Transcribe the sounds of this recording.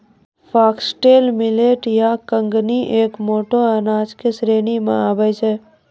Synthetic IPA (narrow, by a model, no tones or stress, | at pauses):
pʰaːksʈeːlmɪleːʈjakə̃ŋɡniʔeːkmoːʈoɐnaːd͡ʒkesɾeːnimã̰aːbəjt͡ʃɛː